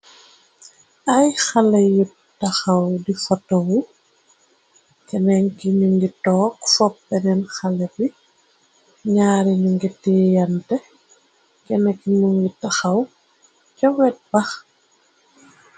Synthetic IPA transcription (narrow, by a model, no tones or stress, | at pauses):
ʔɐjxalɐju | tɐxɐwdifɔtːɐwu | kɛnɛŋkiɲuŋɡitɔːkfɔpːɛnɛnxɐlɛbi | ɲaːɾiɲuŋɡitɛjɐntɛ | kɛnɛkːimuŋɡitaxɐw | t͡ʃɔwɛt̚b̥ɐx